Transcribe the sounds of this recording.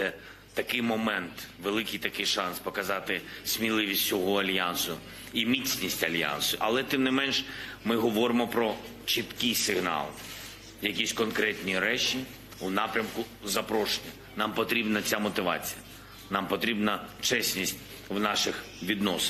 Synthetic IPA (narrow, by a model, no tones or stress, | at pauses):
ɛ | t̪ɐkɪjmɔmɛnt̪ʋelˠɪkɪjt̪ɐkɪjʃɑnspɔkɐzɑt̪ɪsʲmʲilˠɪʋʲisʲtʲsʲɔɦɔɐlʲjansʊ | imʲit͡sʲnʲisʲtʲɐlʲja̰nsʊʔɐlˠɛt̪ɪmnɪmɛnʃ | mɪɦɔʋɔɾɪmɔpɾɔ | t͡ʃit̪kɪjsɪɦnɑ̰lˠ | jɐkʲisʲkɔnkɾɛt̪ʲnʲiɾɛt͡ʃi | unɑpɾʲɐmkʊ | zɐpɾɔʃenʲɐ | nɑmpɔt̪ɾʲibnɐt͡sʲamɔt̪ɪʋɑ̰t͡sʲijɐ | nɑmpɔt̪ɾʲibnɐt͡ʃɛsʲnʲisʲtʲ | wnɑʃɪx | ʋʲid̪nɔs